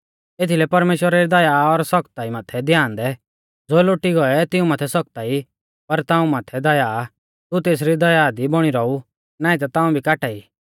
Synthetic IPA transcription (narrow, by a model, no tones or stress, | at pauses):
eːt̪ʰilɛpɐɾmeːʃwəɾaɾid̪ɐjaɔɾsɔkt̪aːimaːt̪ʰɛd̪ʱjãːnd̪ɛ | d͡zoːloːʈiɡɔɛt̪ɪũmaːt̪ʰɛsɔk̚t̪ai | pɐɾt̪ãːũmaːt̪ʰɛd̪ɐjaː | t̪ut̪eːs̬ɾid̪ɐjaːd̪ibɔɽ̃iɾɔu | naːit̪at̪ãːũbʱikaːʈaːiː